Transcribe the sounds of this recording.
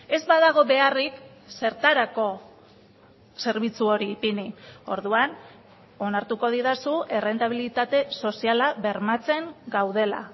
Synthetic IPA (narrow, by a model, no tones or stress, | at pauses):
e̞zbaðaɣ̞o̞βe̞arik | se̞ɾt̪aɾako̞ | se̞ɾβit͡suo̞ɾiːpinio̞̰ɾðuan | o̞naɾt̪uko̞ð̞iðasue̞re̞nt̪aβ̞ilit̪at̪e̞so̞sialaβe̞ɾmat͡se̞ŋɡawð̞e̞la̰